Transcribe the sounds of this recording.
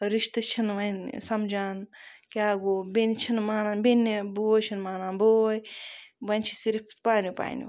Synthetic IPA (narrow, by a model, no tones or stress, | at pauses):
ɾiʃt̪ɨt͡ʃʰinʋɐnsɐmd͡ʒaːnkʲaːɡoːbent͡ʃʰinmaːnaːnbenːeboːjt͡ʃʰinmaːnaːnboːjbɐnt͡ʃʰi̥siɾipʰpaːnjupa̰ːnjṵ